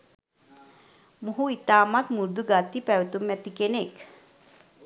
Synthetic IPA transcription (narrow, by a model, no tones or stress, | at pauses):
muɦuit̪aːmat̪muɾd̪uɡat̪ːipæʋet̪umɛt̪ikenek